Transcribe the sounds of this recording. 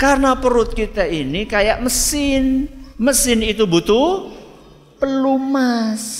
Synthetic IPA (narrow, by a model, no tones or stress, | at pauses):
karənapəɾʊt̪̚kit̪ainikajaʔməsɪnməsɪnit̪ubut̪u | pəlumas